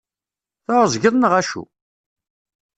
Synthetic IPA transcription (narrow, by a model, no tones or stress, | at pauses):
θoɾəzˤʝəðˤnəʁæʃṵ